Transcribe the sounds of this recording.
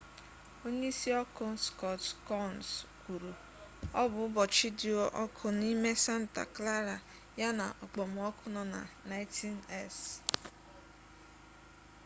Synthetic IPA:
o˦ɲe˦i˦si˦ɔ˦kʊ˨n̩˦skɔ˦tkɔ˦nskʷu˨ɾu˨ | ɔ˦bʊ˨ʊ˦bɔ˨t͡ʃi˦di˨o˦ʔɔ˦kʰʊ˨ni˦me˦sa˦n̩˨ta̰˨kla˦ɾa˨ | ja˦na̰˨ʔɔ˨k͡pɔ˨m̩˨ɔ˦kʊ˦nɔ˦na̰˨na˦ɪ˦ti˦ne˦s

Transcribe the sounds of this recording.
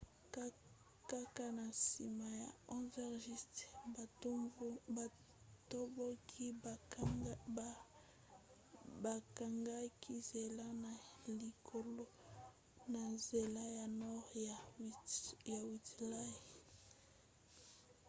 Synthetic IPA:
ka˦ka˦na˨sḭ˨ma˨ja˨ɔ̃˦vɛ˦ʁʒi˦st | ba˨ | to˦bo˦kʰi˦ | ba˨ka˨ŋɡa˦kʰi˦ze˨la˦na˨li˨kʰo˨lo˦ | na˨ze˨la˦ja˨nɔ˦ʁa˨ | ja˨wi˨tla˦i˨

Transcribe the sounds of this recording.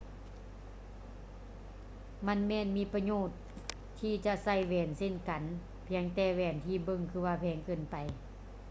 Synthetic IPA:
ma˧˥˨nmɛː˧˩˨nmiː˧˥˨pa˧ɲoː˧˩t̪ʰː | iː˧t͡ɕa˧ʔsa˧˩jwɛː˨˩nse˧˥˨nka˨˦n | pʰi˧˦əŋt̪ɛː˧˩wɛː˧˩nt̪ʰiː˧˩bɤ˧˨ŋkʰɯː˧waː˧pʰɛː˨˧˥ŋkɤː˧˩˨npa˨˩j

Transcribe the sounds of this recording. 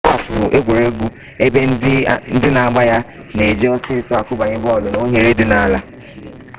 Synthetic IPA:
a˦˨fʊ˨ʔe˦ɡʷe˨ɾe˦ɡʷu˦ | e˦be˦n̩˦dɪ˦na˨a˨ɡ͡ba˦ja˦ | ne˨d͡ʒi˦ɔ˦sɪ˦˨sɔ˦a˨kʊ˦ba˨ɲɪ˦bɔ˦˨lʊ˦no˦ɦe˨ɾe˦dɪ˨na˨la˦

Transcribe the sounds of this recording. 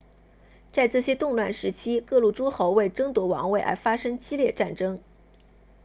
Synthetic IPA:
t͡sa˥˧ɪt͡sɹ̩˥˩ɕjɛ˥t̪ʊ˥˧ŋlwa˥˩nʂɻ̩˧˥t͡ɕʰi˥kɤ˥˧lu˥˩ʈ͡ʂu˥xo˧˥ʊwe˥˩ɪʈ͡ʂɤ˥ŋt̪wɔ˧˥wɑ̰˧˥ŋwe˥˩ɪʔa̰˥ɪfa˥ʂɤ˥ŋt͡ɕi˥ljɛ˥˧ʈ͡ʂa˥˩nʈ͡ʂɤ˥ŋ

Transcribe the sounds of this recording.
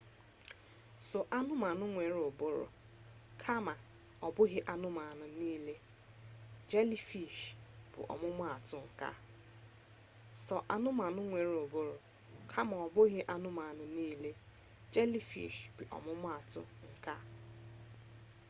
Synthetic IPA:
so˨ʔa˦nʊ˦ma˨nʊ˦ŋʷe˨ɾo˨bʊ˦ɾʊ̰˨ | kʰa˦ma˨ | ɔ˨bʊ˦ɣɪ˦ʔa˦nʊ˦ma˨nʊ˨niː˦le˦ | d͡ʒe˦li˦fi˨ʃb̥ʊ̰˨ʔɔ̰˨mʊ˦mʊ˦a˨tʊ˦ŋ̩˨ka̰˦ | sɔ˨ʔa˦nʊ˦ma˨nʊ˦ŋʷe˨ɾo˨bʊ˦ɾʊ˨ | kʰa˦ma˨ɔ˨bʊ˦ɣɪ˦ʔa˦nʊ˦ma˨nʊ˨niː˦le˦ | d͡ʒe˦li˦fḭ˨ʃbʊ˨ʔɔ̰˨mʊ˦mʊ˦a˨tʊ̰˦ŋ̩˨ka˦

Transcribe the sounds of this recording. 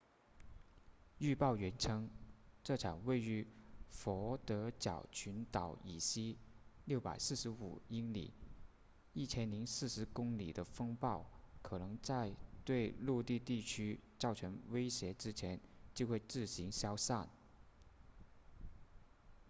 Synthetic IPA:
y˥˧pɑ˥˩ʊɥɛ˧˥nʈ͡ʂʰɤ˥ŋʈ͡ʂɤ˥˩ʈ͡ʂʰɑ˨˩ŋwe˥˩ɪy˧˥fɔ˧˥t̪ɤ˧˥t͡ɕjɑ̰˨˩ʊt͡ɕʰy˧˥nt̪ɑ˨˥ʊḭ˨˩ɕi˥ | ljo˥˩ʊpa̰˨˩ɪsɹ̩˥˩ʂɻ̩˧˥ṵ˨˩i˥nlḭ˨˩˦ | i˥˩t͡ɕʰjɛ˥nli˧˥ŋsɹ̩˥˩ʂɻ̩˧˥kʊ˥ŋlḭ˨˩d̪ə˦fɤ˥ŋpɑ˥˩ʊkʰɤ˨˩nɤ˧˥ŋt͡sa˥˧ɪt̪we˥˧ɪlu˥˧t̪i˥˧t̪i˥˩t͡ɕʰy˥t͡sɑ˥˩ʊʈ͡ʂʰɤ˧˥ŋwe˥ɪɕjɛ˧˥ʈ͡ʂɻ̩˥t͡ɕʰjɛ˧˥nt͡ɕjo˥˧xwe˥˧ɪt͡sɹ̩˥˩ɕi˧˥ŋɕjɑ˥ʊsa˥˩n

